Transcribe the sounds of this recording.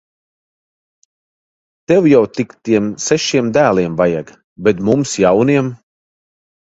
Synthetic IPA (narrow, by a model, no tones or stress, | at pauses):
t̪ɛwjawt̪ikt̪iɛmsɛʃiɛmd̪æːlˠiɛmvaja̰ɡ | bɛt̪mumsjawniɛm